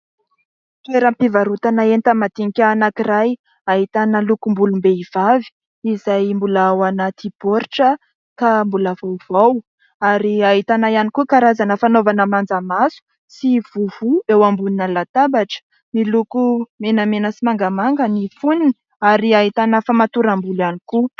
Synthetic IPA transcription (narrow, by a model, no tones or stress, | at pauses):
t̪eɾəmpivaɾut̪anaent̪amat̪iŋikʲaanakiraj | aɦit̪anəlukumbulumbeiv̥avi̥ | izajmbulaawanat̪ipoɾʈ͡ʂə | kambuləvowv̥aw | aɾiaɦit̪anajanikukaɾazanəfanovanəmand͡zamasu̥ | siv̥uvuewambuninəlat̪abaʈ͡ʂə̥ | nilukumenəmenəsimaŋɡamaŋɡənifunini | aɾiaɦit̪anəfamat̪uɾambulaniku